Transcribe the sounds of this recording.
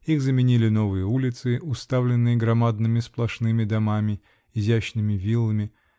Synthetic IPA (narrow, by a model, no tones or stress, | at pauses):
ixzəmʲɪnʲilʲɪno̞vɨjəulʲɪt̪sɨʔʊst̪avlʲɪnːɨjəɡɾɐmad̪nɨmʲɪsplˠɐʂnɨmʲɪd̪ɐmamʲɪ | ɪzʲæɕnɨmʲɪvʲilˠəmʲɪ